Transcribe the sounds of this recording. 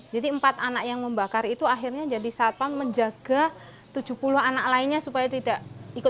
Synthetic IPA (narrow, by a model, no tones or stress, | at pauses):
d͡ʒadiəmpat̪anakjaŋməmbakarit̪uaɦirɲad͡ʒadisat̪̚anməɲd͡ʒaɡ̥a | t̪ud͡ʒupuluɦanak̚laɪnɲasupajat̪idaʔikʊ